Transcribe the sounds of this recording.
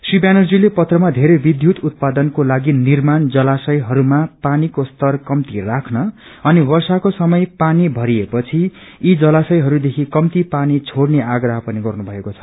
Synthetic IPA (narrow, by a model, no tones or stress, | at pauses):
sribjanʌrd͡zilepʌt̪rʌmad̪ʱeɾʌjbid̪ʱjut̪ut̪̚pad̪ʌnkolaɡinirmand͡zʌlasʌjɦʌɾumapanikost̪ʌrkʌmt̪irakʰnʌ | ʌniwʌrsakosʌmʌjpanibʱʌɾiepʌt͡sʰiː | d͡zʌlasʌjɦʌɾud̪ekʰikʌmt̪ipanit͡sʰoɽneʔaɡrʌɦʌpʌniɡʌrnubʱʌekot͡sʰʌ̥